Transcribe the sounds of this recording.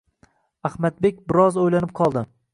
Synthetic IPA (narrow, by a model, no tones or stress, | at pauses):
ahmat̪̚be̞k̚ʲbɪɾɒzojlanɪp̚qʰɒlˠd̪ɪ